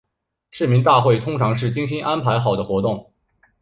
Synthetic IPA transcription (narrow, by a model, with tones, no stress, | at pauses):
ʂɻ̩˥˩mi˧˥ŋt̪a˥˧xwe˥˩ɪt̪ʰʊ˥ŋʈ͡ʂʰɑ˧˥ŋʂɻ̩˥˩t͡ɕi˥ŋɕi˥nʔa˥npʰa˧˥ɪxɑ˨˩ʊd̪ə˦xwɔ˧˥t̪ʊ˥˩ŋ